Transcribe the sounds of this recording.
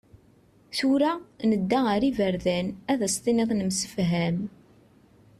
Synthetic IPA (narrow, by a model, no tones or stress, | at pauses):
θuɾænəd̪ːæəɾivəɾðænæðæst̪ˤinɪðˤnəmsə̥fɦæm